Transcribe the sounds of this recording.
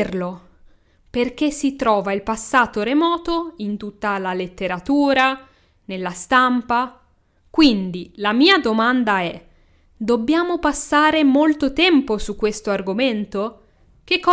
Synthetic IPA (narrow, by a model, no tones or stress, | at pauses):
rlo | perk̟esːit̪ɾɔːvailpasːaːt̪oɾemɔːt̪oint̪ut̪ːalalet̪ːeɾat̪uːɾa | nelːast̪ampa | kwind̪ilamiːad̪omand̪aɛ | d̪obːjaːmopasːaːɾemolt̪ot̪ɛmposukːwest̪oarɡoment̪o | k̟ekːɔ